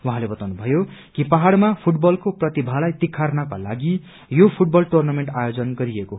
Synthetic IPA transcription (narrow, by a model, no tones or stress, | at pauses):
wuɦãlebʌt̪awnubʱʌjokipaɦaɽmapʰuʈbʌlkoprʌt̪ibʱalajt̪ikʰːarnakala̰ɡi | jopʰuʈ̚bʌlʈornameɳʈajod͡zʌnɡʌɾieko